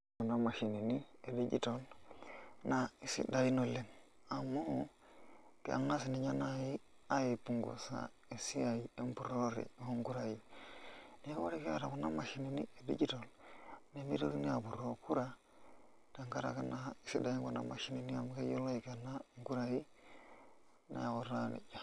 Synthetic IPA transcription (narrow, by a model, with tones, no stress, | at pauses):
ku˨na˦ma˨ʃi˨ni˨ni˦e˨di˦d͡ʒḭ˦to˨l | na˨i˦sḭ˦da˨ji˦no˨le˦m | a˨mo˦ | kḛ˨a̰˨ŋna˦si˨ni˨ɲa˦na˨ji˦ | a˦je˨pu˨ŋɡo̰˨sa̰˨ | e˨si˦a˨ji˨e˦mpu˨ɾo˦ɾḭ˨o˦ŋɡu˦ɾa˨ji˦ | ne˦o̰˦ɾi˦ke˦a̰˨ɾa˨ku˨na̰˦ma˨ʃi˦ni˦nḭ˦e˨dḭ˦d͡ʒi˦to˨lne˦mi˦ɾo˦ɾi˦ni˦a˨bu˨ɾo˨ku˦ɾa˦ | da˨ŋka˦ɾa̰˨ke˦na˦i˦si˦da˨ji˦ŋku˨na̰˨ma˨ʃi˦ni˨ni˦a˨mo˦ke˦jo˦la˦ji˨kːna˦ŋ˦ɡu˦ɾa˨ji˦ | na̰˨ja˨ko˨ɾa˦nḭ˨ja˨